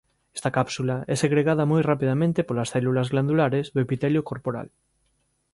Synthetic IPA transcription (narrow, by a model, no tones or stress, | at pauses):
ɛ̥st̪akapsulaɛseɣɾeɣaðɐmojrapiðamẽnt̪epolasθɛlulazɣland̪ulaɾezðoepit̪ɛljokoɾpoɾa̰l